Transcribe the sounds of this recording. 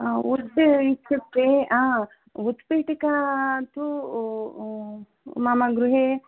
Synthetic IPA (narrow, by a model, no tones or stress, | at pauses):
ut̪it͡ʃʰːɐt̪ːeãː | ut̪ːpiːʈikat̪u | maːmaɡɾuɦe